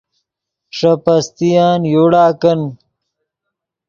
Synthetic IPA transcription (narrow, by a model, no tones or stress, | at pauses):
ʂɐpɐst̪ijaːnjoɽaːkɐn